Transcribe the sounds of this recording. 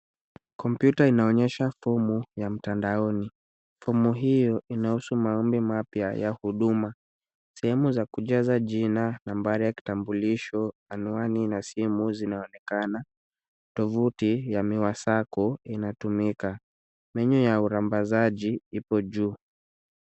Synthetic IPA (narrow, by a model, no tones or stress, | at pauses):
kɔmpjutainaɔɲɛʃafɔmujam̩tandaɔni | fɔmuɦijɔʔinahusumaɔmbimapja̰ja̰huɗuma | sɛhɛmuzakuʄazaʄinanambaɾijaki̥tambuliʃɔanuaninasimuzinaɔnɛkana | tɔvutijamiwasakɔinatumika | mɛɲɔjauɾambazaʄiipɔʄuː